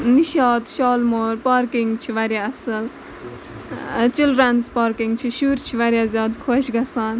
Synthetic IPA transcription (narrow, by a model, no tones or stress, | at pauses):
niʃaːd̪ʃɔːlmoːɾpaːɾkiŋɡt͡ʃʰiʋɐɾjaɐsɐl | t͡ʃilɾanspaːɾkiŋɡt͡ʃʰiʃuɾt͡ʃʰiʋɐɾjaːzʲjaːd̪kʰoʃɡɐsaːn